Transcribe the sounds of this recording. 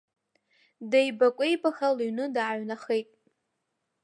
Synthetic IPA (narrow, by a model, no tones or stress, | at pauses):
dejbakʷʼejbaxaliɥnɨdaːɥnaχejtʼ